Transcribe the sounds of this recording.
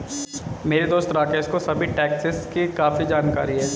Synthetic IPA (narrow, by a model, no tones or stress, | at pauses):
meːɾed̪oːst̪ɾaːkeɪskosɐbʱiʈɛːksɪskikaːfid͡ʒaːnka̰ːɾiɦɛː